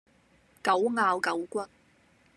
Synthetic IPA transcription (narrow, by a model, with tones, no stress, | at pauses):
kɐ˨˥wŋaː˧wkɐ˨˥wkʷɐ˥t̚